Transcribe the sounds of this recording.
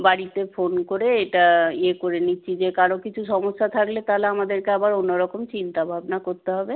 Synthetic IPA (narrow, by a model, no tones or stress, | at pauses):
baɽit̪efonkoɾeeʈaekoɾenitːɕʰid͡ʑekaɾokit͡ɕʰuʃɔmoʃːat̪ʰaklet̪aleamad̪eɾkeabaɾonːoɾɔkomt͡ɕint̪abʱabnakoɾt̪eɦɔbe